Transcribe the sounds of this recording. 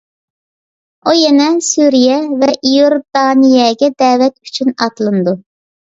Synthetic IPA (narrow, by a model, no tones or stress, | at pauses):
ujɛnɛsyɾijɛvɛʔijoɾd̪ɑnijɛɡʲɛd̪ɛːwɛt̪yt͡ʃʰynɑt̪lˠɨnɨd̪u